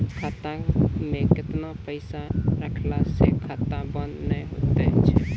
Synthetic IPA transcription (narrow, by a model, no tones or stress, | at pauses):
kʰaːt̪ãmẽkɪt̪napəɪsaɾəkʰlasekʰaːt̪ãbənːəẽɦot̪et͡ʃʰɛ